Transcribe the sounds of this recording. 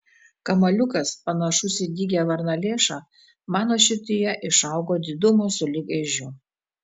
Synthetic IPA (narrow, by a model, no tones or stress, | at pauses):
kɐmɐlʲʊkɐspɐnɐʃʊsʲɪd̪ʲiːɡʲɛʋɐɾnɐlʲeːʃɑː | mɑːnoːʃʲɪt̪ʲɪjɛʔɪʃɐˑʊɡoːd̪ʲɪd̪ʊmosʊlʲɪɡɛʒʲʊ